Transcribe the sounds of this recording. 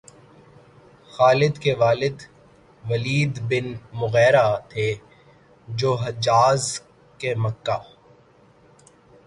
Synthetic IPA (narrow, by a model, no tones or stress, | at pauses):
xaːlɪd̪keʋaːlɪd̪ | ʋɐliːd̪bɪnmʊɣɛːɾat̪ʰe | d͡ʒoːɦɐd͡ʒaːz | kemɐkːaː